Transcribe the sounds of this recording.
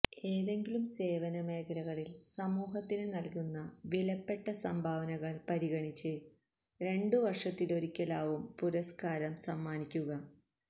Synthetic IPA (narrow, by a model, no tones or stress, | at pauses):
e̞ːðe̞ŋɡilumse̞ːʋɐnɐme̞ːkɐɾɐɣɐɭilsɐmuːɦɐt̪ːinɨnɐlkunːɐʋilɐpːe̞ʈːɐsɐmbʱaːʋɐnɐɣɐɭpɐɾiɣɐɳit͡ɕːɨ | ɾe̞ɳɖɨʋɐrʂɐt̪ːilo̞ɾikʲːɐlaːʋumpuɾɐskaːɾɐmsɐmːaːnikʲːuɣɐ